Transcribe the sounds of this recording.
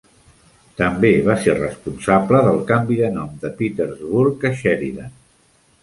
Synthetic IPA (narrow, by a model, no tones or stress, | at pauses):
t̪əmbeβ̞aserə̰spunsabləðəlˠkambiðənɔmd̪əpit̪əɾzβuɾkəʃɛɾiðən